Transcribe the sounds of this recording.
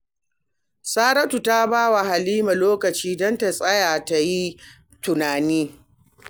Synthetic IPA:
saː˦ɾɐ˦tu˨ta˦baː˦wa˨ɦa˨liː˦ma˨loː˦kɐ˨t͡ʃiː˦dɔ˦nta˨sʼɐ˦jaː˨ta˨ji˦ | tʊ˨naː˨niː˦

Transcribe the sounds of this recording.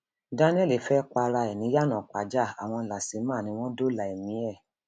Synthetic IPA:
da˦nĩ˦ɛ˦˨le˨˦fɛ˦k͡pa˧ɾa˧ɛ˨nĩ˨˦ja˦nã˨k͡pa˨˦d͡ʒa˦˨a˨w̃ɔ̃˧la˨si˨˦mãː˦˨nĩ˧˦w̃ɔ̃˦do˦la˨e˨mĩ˨˦ɛ˦˨

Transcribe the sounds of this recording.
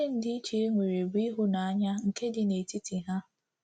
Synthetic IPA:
e˦n̩˨˦dɪ˦i˦t͡ʃe˨e˦ŋʷe˨ɾe˨bi˦ɦu˦na˨a˦ɲa˦ŋ̩˨ke˦dɪ˨ne˨ti˦ti˨ɦa˦

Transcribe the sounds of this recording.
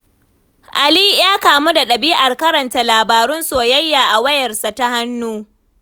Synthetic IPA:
ʔa˨li˦jaː˦kaː˨mu˦da˨ɗɐ˨biː˦ʔa˨rkɐ˦ɾɐ˨nta˦laː˨baː˨ɾʊ˦nsoː˨jɐ˦jːaː˨ʔa˨wɐ˦jɐ˨rsa˨ta˦ha˦nːuː˦

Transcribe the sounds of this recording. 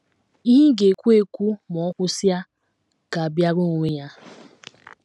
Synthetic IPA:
i˦ɦi˦ɡe˨kʷu˦e˦kʷu˦mɔ˨ɔ˦kʷʊ˦sja˦ | ka˨a˨bja˦ɡo˦ŋʷo˨ŋʷe˦ɲa˦

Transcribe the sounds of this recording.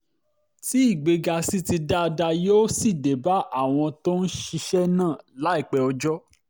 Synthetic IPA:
ti˨˦i˦˨ɡ͡be˨ɡa˧si˦ti˧da˦˧da˧jo˦si˦˨de˨ba˨˦ʔa˦˨w̃ɔ̃˧to˦n̩˦ʃi˧ʃɛ˦nãː˦˨la˨˦i˦˨k͡pɛ˧ɔ˧d͡ʒɔ˦

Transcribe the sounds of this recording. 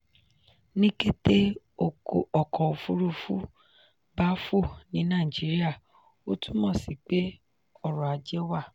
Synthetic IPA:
nĩ˦ke˦te˦ | o˧˨ko˨ɔ˨kɔ˨o˨fu˨˦ɾu˦˧fu˦ | ba˦fo˦˨nĩ˨˦nãː˦˨d͡ʒi˨˦ɾi˦a˦˨ | o˦tũ˦mɔ̃˦˨si˨k͡pe˦ | ɔ˦˨ɾɔ˨a˨d͡ʒɛ˦wa˦˨

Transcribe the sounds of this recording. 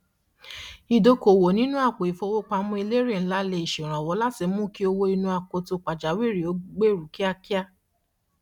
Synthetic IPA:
i˧do˧ko˨wo˨nĩ˦nũ˦a˦˨k͡po˨i˨fo˧wo˦k͡pa˧˦mũ˦e˧le˦ɾe˦˨n̩˦la˦le˧i˨ʃe˨ɾ̃ã˨wɔ˨˦la˦ti˧mũ˦ki˦o˧wo˧i˧nũ˧˦a˨k͡po˧˦to˧˦k͡pa˨d͡ʒa˨˦we˦˨ɾi˨o˨˦ɡ͡be˦˨ɾu˨ki˦a˧ki˦a˦

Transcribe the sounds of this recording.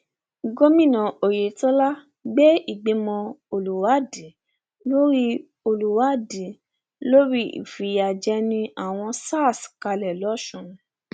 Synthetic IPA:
ɡo˦mĩ˦˨nã˨o˨je˨tɔ˦la˦ | ɡ͡bɛ˦i˦˨ɡ͡be˨˧mɔ̃˧o˧lu˨wa˨˦di˨˦ | lo˦ɾi˦ | o˧lu˨wa˨˦di˨˦ | lo˦ɾi˦ḭ˨fi˨˦ja˨d͡ʒɛ˧˦nĩ˧ʔa˦˨w̃ɔ̃˧saː˦˨ska˧lɛ˨lɔ˨˦ʃũ˦˨

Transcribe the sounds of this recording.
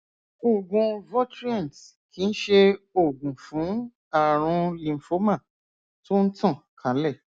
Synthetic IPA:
o˨ɡũ˧vɔ˦tɾi˦ɛ̃˦˨n˨t | ki˨˦n̩˦ʃe˧o˨ɡũ˨fũ˨˦ | a˦˨ɾ̃ũ˧lĩ˨fo˦mã˦˨ | to˦n̩˦tã˦˨kʰã˨˦lɛ˦˨

